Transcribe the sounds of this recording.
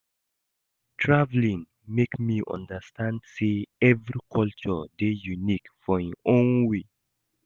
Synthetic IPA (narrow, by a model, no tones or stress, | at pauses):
tʰɹavlĩŋ | mekmiʔɔ̰̃ndəstʰãndseɛvɹikʰɔlt͡ʃɔdejunikfɔĩõnwe